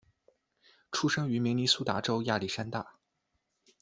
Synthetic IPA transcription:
ʈ͡ʂʰu˥ʂɤ˥ŋy˧˥mi˧˥ŋni˧˥su˥t̪a˧˥ʈ͡ʂo˥ʊja˥˩li˥˩ʂa˥nt̪a˥˩

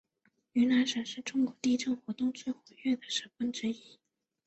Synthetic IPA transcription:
y˧˥na˧˥nʂə˨˩ʂɻ̩˥˧ʈ͡ʂʊ˥ŋkwɔ˧˥t̪i˥˧ʈ͡ʂɤ˥˩ŋxwɔ˧˥t̪ʊ˥˧ŋt͡swe˥˩ɪxwe˧˥ɥɛ˥˩d̪ə˩ʂə˨˩fə˥nʈ͡ʂɻ̩˧˥i˧˥˩

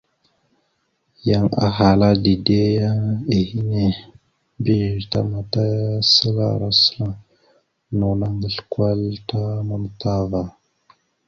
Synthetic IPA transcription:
ja˦˨ŋa̰˨ɦa˨la˦di˨de˦ja˦e˨hi˦ne˨ | mbi˦˨ɾta̰˦ma˨ta˦ja˦sə˦la̰˨ɾa˦sə̥˦la˦ | nu˨na˦ŋɡə˨ɬkwa˦lta˦mə˦mta˦va˨

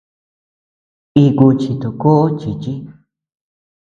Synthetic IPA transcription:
i˧ku˧t͡ʃi˧t̪o˨ko˦ʔo˦t͡ʃi˨t͡ʃi˦

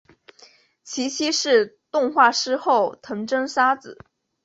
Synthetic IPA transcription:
t͡ɕʰi˧˥t͡ɕʰi˥ʂɻ̩˥˧t̪ʊ˥˧ŋxwa˥˩ʂɻ̩˥xo˥˩ʊt̪ʰɤ˧˥ŋʈ͡ʂɤ˥ŋʂa˥t͡sɹ̩˨˩˦

